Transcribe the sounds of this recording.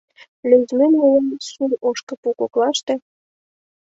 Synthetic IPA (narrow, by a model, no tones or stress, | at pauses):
lʲyzmenulɑnsuloʃkə̆pukoklɑʃt̪ĕ